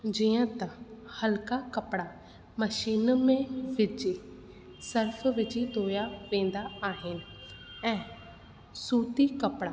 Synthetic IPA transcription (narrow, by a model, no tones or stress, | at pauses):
d͡ʒiãːt̪ãhəlkaːkəpɽaː | məʃiːnmẽʋɪt͡ʃi | səɾpʰʋɪt͡ʃid̪oːjaːʋẽːnd̪aːɦɪnɛ̃ː | suːt̪iːkəpɽaː